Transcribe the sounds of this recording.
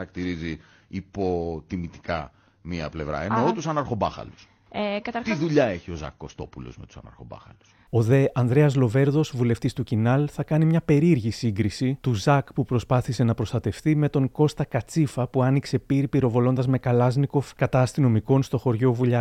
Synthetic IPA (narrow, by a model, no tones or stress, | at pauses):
ɐɾɐkt̪iɾizi | ipo̞t̪imit̪i̥kɐ̰ | miɐ̰ple̞vɾɐ̰enot̪usɐnɐɾxo̞bɐxɐ̰lus | kɐt̪ɐt̪iðuʎɐe̞çio̞zɐ̰kːo̞st̪o̞pulo̞̰zmet̪u̥sɐnɐ̰ɾxo̞bɐ̰xɐlu̥s | o̞ðe̞ʔɐnðɾe̞ɐzlo̞ve̞ɾðo̞zvule̞ft̪ist̪ucinɐlθɐkɐnimɲɐpe̞ɾiɾʝisiŋɡɾisit̪uzɐkpupɾo̞spɐθise̞nɐpɾo̞st̪ɐt̪e̞fθime̞t̪o̞ŋko̞st̪ɐkɐt͡sifɐpuɐnikse̞piɾipiɾo̞vo̞lo̞nd̪ɐzme̞kɐlɐzniko̞fkɐt̪ɐːst̪ino̞miko̞nst̪o̞xo̞ɾʝo̞vuʎɐ